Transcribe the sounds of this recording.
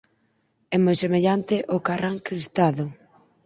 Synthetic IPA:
ɛmojsemeʎant̪ɪʔokaraŋkɾist̪aðʊ

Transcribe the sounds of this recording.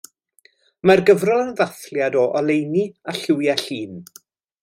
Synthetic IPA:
marɡəvrɔnvaθljadɔʔɔlˠejniaɬɪwjaɬiːn

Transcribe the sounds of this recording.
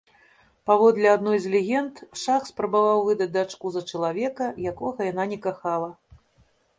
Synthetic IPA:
pavɔd̪lʲɛad̪nɔjzʲlʲɛɣʲɛnt̪ʂaxspɾɐbavawvɨd̪ɐd͡zʲd̪at͡ʂkuzɐt͡ʂɐlˠavʲɛkɐjakɔɣɐjananʲɛkaxalˠɐ

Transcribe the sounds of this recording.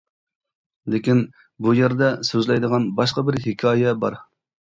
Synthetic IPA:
lɪkʲin | bujeɾd̪ɛsøzlɛjd̪əʁɑnbɑʃqɑbɪɾhɪkʲʰɑːjɛbɑ̰ɾ

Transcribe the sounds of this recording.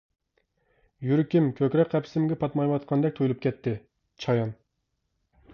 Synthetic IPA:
jyɾɪkʲimkʲʰøkʲɾɛkqʰɛpʰsɪmɡʲɛpʰɑt̪mɑjwɑt̪qʰɑnd̪ɛk̚ʲt̪ʰojulˠup̚kʲʰɛt̪ʰːɪ | t͡ʃʰɑjɑn

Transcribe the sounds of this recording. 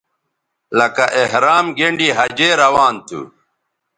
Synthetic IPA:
lɐkaʔehɾaːmɡeɳɖiɦɐd͡ʑeːɾɐwaːnt̪ʰṵ

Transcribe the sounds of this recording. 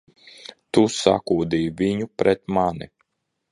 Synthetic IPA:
t̪usa̰kuːd̪iːvʲiɲupɾɛt̪mani

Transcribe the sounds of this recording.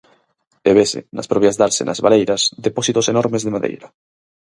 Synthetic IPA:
eβesḛna̰spɾoβjazðaɾsḛnʔa̰zβa̰lejɾasðeposit̪osenɔɾmezðemaðḛjɾa

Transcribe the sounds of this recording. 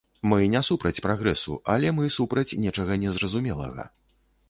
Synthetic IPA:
mɨnʲɛsupɾɐt͡sʲpɾaɣɾɛsṵɐlʲɛmɨsupɾɐt͡sʲnʲɛt͡ʂɐɣɐnʲɛzɾɐzumʲɛlˠɐ̰ɣɐ̰

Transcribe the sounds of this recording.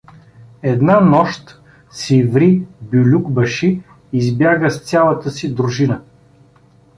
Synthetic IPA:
ɛd̪nanɔʃt̪ | sivɾibʲulʲuɡbɐʃiː | zbjaɡəssʲalˠət̪əsid̪ɾuʒinə

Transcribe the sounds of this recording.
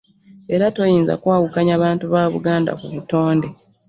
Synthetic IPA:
e̞ɾato̞jiːnza̰kwaːwukaɲaβaːntuβaːβṵɡaːnda̰kuβuto̞ːnde̞

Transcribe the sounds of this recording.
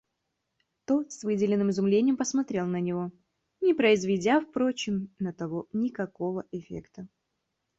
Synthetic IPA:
t̪o̞t̪svɨdʲɪlʲɪnːɨmɪzʊmlʲenʲɪjəmpəsmɐt̪ɾʲe̞lˠnənʲɪvo̞ | nʲɪpɾəɪzvʲɪdʲafpɾo̞t͡ɕɪmnət̪ɐvonʲɪkɐko̞vəʔɪfʲḛkt̪ə

